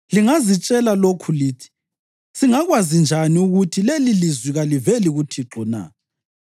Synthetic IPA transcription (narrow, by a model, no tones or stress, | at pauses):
liŋazit͡ʃʼɛlalokʰuliːtʰi̥ | siŋaɣwazind͡ʒʱaniuɣutʰilelilizwiɣalivɛliɣutʰiǁʱɔna̰